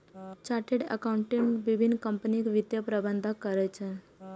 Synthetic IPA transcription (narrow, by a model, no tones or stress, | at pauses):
t͡ʃaɾʈeɖə̰kauɳʈiɳʋibʱinːkəmpənikʋit̪jəpɾəbənd̪ʱakəɾɛt͡ʃʰe